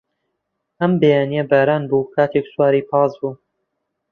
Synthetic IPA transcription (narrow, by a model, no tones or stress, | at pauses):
ʔɐmbejaːnijɐbaːɾaːnbuːkʰaːt̪ʰekswaːɾiːpʰɑːzbuː